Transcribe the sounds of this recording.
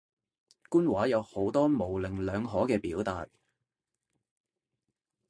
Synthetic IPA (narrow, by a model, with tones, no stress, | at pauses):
kuː˥nwaː˨˥jɐ˨˧who˨˥wt̪ɔː˥mo˨˩wlɪ˨ŋlœː˨˧ŋɦɔː˨˥kɛː˧piː˨˥wt̪a̰ː˨t̚